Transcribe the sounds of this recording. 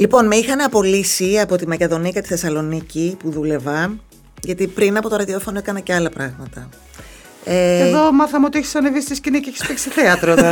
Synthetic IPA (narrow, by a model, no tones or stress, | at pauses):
lipo̞nmeixɐnɐpo̞lisiɐpo̞t̪imɐce̞ðo̞nikɐt̪i̥θe̞sɐlo̞nicipuðule̞vɐn | ʝɐt̪ipɾinɐpo̞t̪o̞ɾɐðio̞fo̞noekɐnɐceɐlɐpɾɐɣmɐt̪ɐ | eeðomɐθɐmeot̪ieçi̥sɐnevist̪isciniceeçi̥spekseθeɐt̪ɾoð